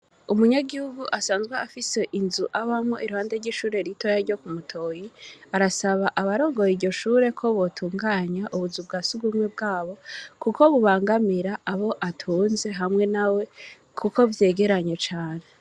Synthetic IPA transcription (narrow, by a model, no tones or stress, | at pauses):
umuɲaɡihuɡuʔasaːnzɡwaafise̞ʔinzuʔaβamŋoʔiɾuhaːndeɾɟiʃuːɾe̞ɾito̞jaɾɟo̞kumutʰo̞ːjiaɾasaβaʔaβaɾo̞ːŋɡo̞jiɾɟo̞ʃuːɾe̞kʰo̞βo̞tʰuːŋɡaːɲaʔuβuzub̚ɡaːsuɡumwebɡaːβo̞kuko̞βuβaːŋɡamiɾaʔaβo̞ʔatʰuːnze̞ɦamŋe̞nawe̞ | kʰuko̞vje̞ːɡe̞ɾaɲe̞t͡ʃaːne̞